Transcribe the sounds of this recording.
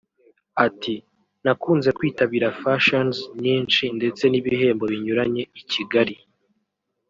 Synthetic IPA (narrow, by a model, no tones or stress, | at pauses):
ati | nakuːnze̞kwiːtaβiːɾafaʃonzɲiːnʃinde̞t͡se̞niβiɦe̞ːmbo̞βiɲuɾaɲe̞iciɡaɾi